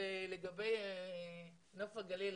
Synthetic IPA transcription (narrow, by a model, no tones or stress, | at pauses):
eleɡabej | nafaɡalil